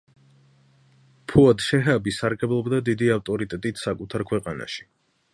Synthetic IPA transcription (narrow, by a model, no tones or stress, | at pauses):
pʰuad̪ʃɛɦabisaɾɡɛblˠɔbd̪ad̪id̪iaft̪ʼɔɾit̪ʼɛt̪ʼit̪ʰsakʼut̪ʰaɾkʰwɛqʼana̰ʃi̥